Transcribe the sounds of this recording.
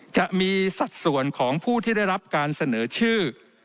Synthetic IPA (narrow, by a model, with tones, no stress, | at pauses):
t͡ɕa˨˩ʔmiː˧sa˨˩t̪̚su˨˩ənkʰɔː˩˦ŋpʰuː˥˩t̪ʰiː˥˩da˥˩jɾa˦˥p̚kaː˧nsa˧nɤː˩˦t͡ɕʰɯː˥˩